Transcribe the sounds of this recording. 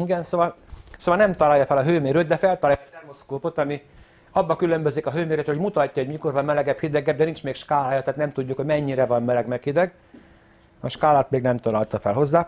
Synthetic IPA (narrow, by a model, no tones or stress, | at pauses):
iɡɛnsoːvɒlsoːvɒlnɛmt̪ɒlaːjɒfɛlɒɦøːmeːɾøt̪d̪ɛfɛlt̪ɒlaːjɒd̪ɛrmoskoːpot̪ɒmi | ɒbːɒkylø̞mbøzikɒɦøːmeːɾɛt̪homut̪ɒcːɒɦoɟmiko̞rvɒmmɛlɛɡɛphid̪ɛɡɛd̪d̪ɛnint͡ʃmeːkʃkaːlaːjɒt̪aːt̪nɛmt̪uɟːukhoɟmɛɲːiɾɛvɒmmɛlɛɡmɛkhid̪ɛɡ | ɒ̰ʃkaːlaːt̪meːɡnɛmt̪ɒlaːlt̪ɒfɛlɦo̞zːaː